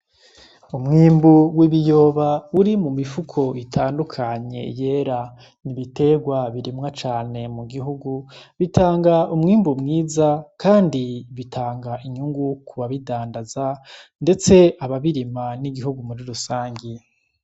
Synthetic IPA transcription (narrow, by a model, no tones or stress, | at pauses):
umŋiːmbuwiβijo̞ːβauɾimumifukʰo̞itʰaːndukʰaɲe̞̰je̞ːɾa | niβite̞ɡwaβiɾimŋat͡ʃaːne̞muɡiɦuɡuβitʰaːŋɡaumŋiːmbumŋiːzakaːndiβitʰaːŋɡaʔiɲuŋɡukuβaβidaːndazande̞t͡se̞aβaβiɾimaniɡiɦuɡumuɾiɾusaːɲɡi